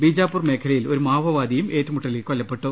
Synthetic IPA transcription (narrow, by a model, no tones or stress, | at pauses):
biːd͡ʑaːpːurme̞ːkʰɐlɐjilo̞ɾumaːʋɐʋaːd̪ijume̞ːtːɐmuʈːɐlikolːɐpːe̞ʈːu